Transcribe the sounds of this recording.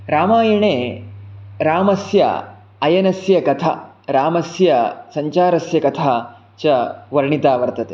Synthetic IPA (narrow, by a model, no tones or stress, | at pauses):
ɾaːmaːjɐɳeː | ɾaːmɐsjɐ̰ | ɐjɐnɐsjɐkɐt̪ʰa̰ | ɾaːmɐsjɐsɐɲt͡ʃaːɾɐsjɐkɐt̪ʰaː | t͡ʃɐʋɐɾɳit̪aːʋɐɾt̪ɐt̪e